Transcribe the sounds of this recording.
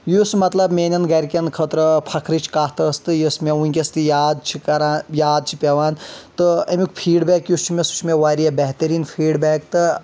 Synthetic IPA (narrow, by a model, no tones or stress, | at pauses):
jusmɐt̪lɐbmʲeːnɐnɡɐɾʲkʲɐnkʰət̪ɾɐpʰɐkʰɾit͡ʃʰkaːɦt̪ɐst̪ɨjismeunʲkʲest̪ɨjaːd̪̚t͡ʃʰikɐɾaːnjaːd̪̚t͡ʃʰi̥pʲeʋaːnt̪ɨɐmikpʰiːɖbeːkjust͡ʃʰimʲesu̥t͡ʃʰmeʋaːɾijɐbeɦt̪ɐɾiːnpʰiːɖbeːkt̪ɨ